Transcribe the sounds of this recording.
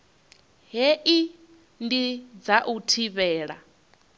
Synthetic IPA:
ɦɛʔi | ndid͡zaʔutʰiβɛːɺa̰

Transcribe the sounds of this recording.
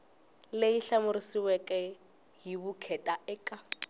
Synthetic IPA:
leiɬamʊɾisiwɛkʼɛ | ɦibukʰɛtʼaɛːkʼa

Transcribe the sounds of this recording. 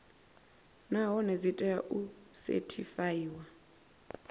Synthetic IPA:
naɦɔnezitʼɛjaʔusḛtʰifajiːwa

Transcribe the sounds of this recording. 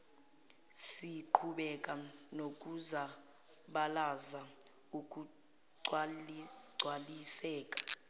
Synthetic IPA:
siǃʰuɓɛkʼanok̬ʼuza | ɓalaza | uk̬ʼu | ǀʱwalisɛːkʼḁ

